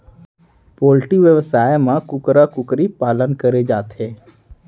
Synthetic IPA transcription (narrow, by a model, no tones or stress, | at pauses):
poːlʈiʋjəʋəsaːjmãkʊkɾakʊkɾipaːlənkəɾed͡ʒaːt̪eː